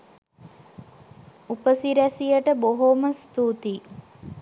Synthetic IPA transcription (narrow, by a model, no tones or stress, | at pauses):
upəsiɾæsijəʈəboɦoməst̪ut̪i